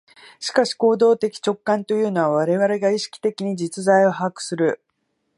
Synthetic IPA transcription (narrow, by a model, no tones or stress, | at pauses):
ɕi̥kaɕi̥ko̞ːd̪o̞ːt̪e̞kʲi̥t͡ɕo̞kːãnt̪o̞jɯ̟ːno̞βaβ̞aɾe̞βaɾe̞ɡaiɕi̥kʲi̥t̪e̞kʲiɲ̟id͡ʑit͡sɨzaio̞ɦakɯ̟̥sɨɾɯ̟